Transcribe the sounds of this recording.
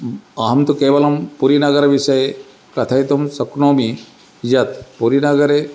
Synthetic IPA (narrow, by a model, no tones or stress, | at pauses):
ɐɦɐmt̪ukeːʋɐlɐmpuɾinɐɡɐɾɐʋisɐje | kɐt̪ʰɐjt̪umsɐknoːmi | d͡ʒɐt̪puɾinɐɡɐɾe